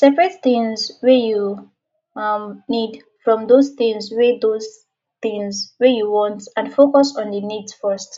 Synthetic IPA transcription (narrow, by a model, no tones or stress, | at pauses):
sɛpɹɛtθĩŋzwɛju | mnid | fɹɔ̃mðozθĩŋzwɛðoz | θĩŋzwɛjuwɔ̃ntãnfokɔsɔ̃nðənidsfɜst